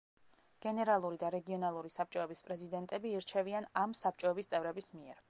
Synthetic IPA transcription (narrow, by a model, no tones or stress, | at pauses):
ɡ̥ɛnɛɾalˠuɾid̪aɾɛɡiɔnalˠuɾisap̚t͡ʃʼɔɛbispʼɾɛzid̪ɛnt̪ʼɛbiːɾt͡ʃʰɛvianamsap̚ʰt͡ʃʼɔɛbist̪sʼɛvɾɛbismiɛɾ